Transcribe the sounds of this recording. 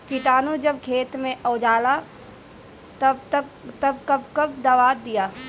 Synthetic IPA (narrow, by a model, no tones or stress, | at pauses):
kɪʈaːnud͡ʒɐbkʰeːt̪mẽʔɔːd͡ʒaːla | t̪ɐtt̪ɐb̚kɐbkɐb̚d̪ɐʋaːd̪ijaː